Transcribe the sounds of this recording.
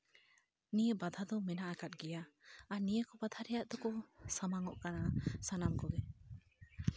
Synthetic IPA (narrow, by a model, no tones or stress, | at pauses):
nijəbad̪ʱad̪ɔmɛnaʔakat̪̚ˀɡɛjaanijəkɔbad̪ʱaɾɛjaʔd̪ɔkɔsamaŋɔʔkanasanamkɔɡɛ